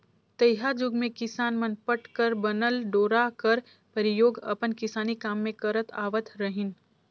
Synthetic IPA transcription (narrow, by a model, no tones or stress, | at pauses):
t̪əjɦad͡ʒʊɡmẽkɪsaːnmənpəʈkəɾbɐnəlɖoːɾakəɾ | pəɾɪjoːɡɐ̰pənkɪsaːnikaːmːẽkɐɾət̪ʰa̰ːʋət̪ʰɾəɦɪn